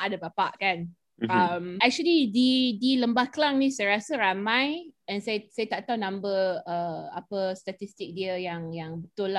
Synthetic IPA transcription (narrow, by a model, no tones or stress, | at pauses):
adəbapaʔkan | amɛk̚t͡ʃuəlididiləmbahklaŋnĩsajəɾasəɾamãjɛ̃nsajəsajət̪aʔt̪awnãmbəəapəst̪at̪ist̪ik̚diəjaŋjaŋbət̪ʊlːa